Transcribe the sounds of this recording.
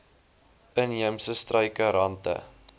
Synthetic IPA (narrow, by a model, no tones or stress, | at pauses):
əniəmsəstrəjkəɾɐntə̰